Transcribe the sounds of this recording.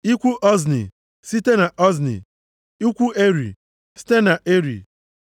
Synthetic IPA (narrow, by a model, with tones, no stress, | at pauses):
i˦kʷu˦ʔɔ˦znḭ˨ | si˦te˦na˨ʔɔ˦znḭ˨ | i˦kʷu˦e˦ɾḭ˨ | si̥˦te˦na˨ʔe˦ɾḭ˨